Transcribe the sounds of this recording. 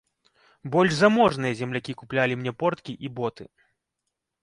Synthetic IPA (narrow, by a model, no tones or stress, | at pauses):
bɔlʲʐzamɔʐnɨjɐzʲɛmlʲakʲikuplʲalʲimnʲɛpɔrt̪kʲiʔibɔt̪ɨ̰